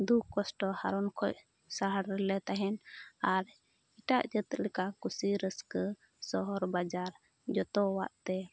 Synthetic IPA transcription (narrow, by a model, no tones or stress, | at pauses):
d̪ukɔsʈɔhaɾɔnkʰɔc̚ | saɦaɽɾɛlɛt̪aɦɛnaɾ | iʈaʔd͡ʒət̪lɛkakusiɾəskə | sɔɦɔɾbad͡ʒaɾ | d͡ʒɔt̪ɔwaʔt̪ɛ